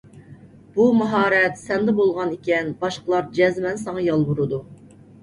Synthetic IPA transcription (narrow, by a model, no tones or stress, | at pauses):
b̥umɛɦɑːɾɛt̪sɛnd̪ɛbolˠʁɑnikʲɛnbɑʃqəlˠɑɾd͡ʒɛzmɛnsɑŋɑjɑlˠbuɾɨd̪u